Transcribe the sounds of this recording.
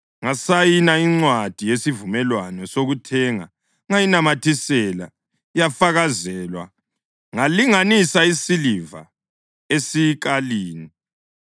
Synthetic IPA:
ŋasajinaiŋ͡ǀwad̥ʱijesivumɛlwanɔsoɣutʰɛŋa̰ | ŋajinamatʰisɛla | jafaɣazɛlwa̰ | ŋaliŋanisaisiliva̰ | esik̬aliːni

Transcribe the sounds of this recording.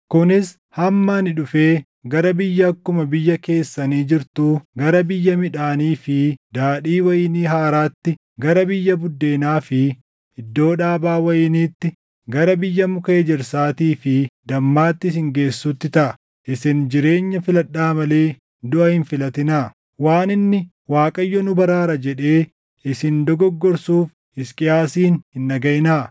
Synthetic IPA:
kʊnɪs | hɐmːaːnɪᶑʊfe̞ː | ɡɐɾɐbɪjːɐːkːʊmɐbɪjːɐke̞ːsːɐniːd͡ʒɪɾt̪uːɡɐɾɐbɪjːɐmɪᶑaːniːfɪd̪aːᶑiːwɐjɪniːɦaːɾaːt̪ːɪ | ɡɐɾɐbɪjːɐbʊd̪ːe̞ːnaːfɪ | ɪd̪ːo̞ːᶑaːbaːwɐjɪniːt̪ːɪ | ɡɐɾɐbɪjːɐmʊkeːd͡ʒɪɾsaːt̪iːfɪd̪ɐmːaːt̪ːɪs̬ɪŋɡe̞ːsːut̪ːɪt̪ɐʔɐ | ʔɪsɪnd͡ʒɪɾe̞ːɲːɐfɪlɐᶑːaːmɐle̞ː | d̪ʊʔɐhɪnfɪlɐt̪ɪnaː | waːnɪnːɪ | waːkʼɐjːɔnʊbɐɾaːɾɐd͡ʒɛᶑe̞ː | ɪsɪnd̪ɔɡɔɡːɔɾsuːf | ɪskʼɪaːsiːnhɪnːɐɡɐʔɪnaː

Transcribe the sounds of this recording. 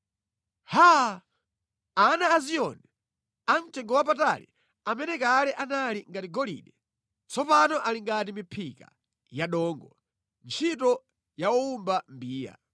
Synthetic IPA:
ha | anaːziɔnɛ | an̩tʰɛŋɡɔwap̬ata̰lḭ | amɛnɛkalɛʔanaliŋɡatiɡɔlḭɗɛ | t͡sɔpanɔʔaliŋɡat̬imipʰika̰ | jaɗɔːŋɡɔ | nt͡ʃʰitɔ | jauumbambiːja̰

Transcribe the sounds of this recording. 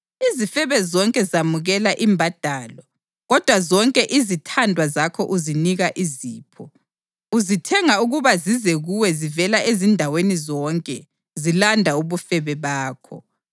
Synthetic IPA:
izifɛβɛzɔŋkʼɛzamuɣɛlaʔimbʱad̥ʱaːlɔ | ɣɔd̥ʱwazɔŋkʼɛʔizitʰandʱwazakʰɔʔuziniɣaʔiziːpʰɔ | uzitʰɛŋauɣuβazizɛɣuwɛzivɛlaʔezindʱawenizɔŋkʼɛ | zilandʱauβufɛβɛβaːkʰɔ̰

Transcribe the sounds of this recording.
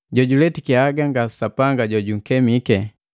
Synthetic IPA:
ɟɔɟulɛtikiaɡaŋɡasapaŋɡaɟɔɟuŋ̩kɛmikɛ

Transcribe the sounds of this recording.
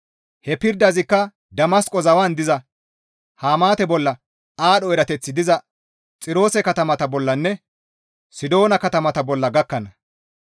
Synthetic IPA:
hɛpɪɾd̪ɐzɪkːɐ | d̪ɐmɐskʼɔzɐwɐnd̪ɪzɐ | haːmaːt̪ɛbɔlːɐ | aːɗɔɛɾɐt̪ɛt͡sːɪd̪ɪzɐ | t͡sʼɪɾo̞ːsɛkɐt̪ɐmɐt̪ɐbɔlːɐnːɛ | sɪd̪o̞ːnɐkɐt̪ɐmɐt̪ɐbɔlːɐɡɐkːɐnɐ

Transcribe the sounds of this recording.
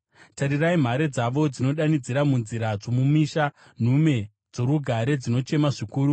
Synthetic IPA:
taɾiraim̤aɾed͡zaʋo̞d͡zino̞ɗanid͡ziɾamunziɾad͡zomumiʃa | n̤ume̞ | d͡zo̞ɾuɡʱaɾe̞d͡zino̞t͡ʃe̞maʐikuːɾu

